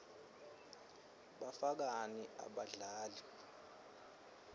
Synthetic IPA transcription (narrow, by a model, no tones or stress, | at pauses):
ɓafak̬aniʔa̰ɓaɮaːli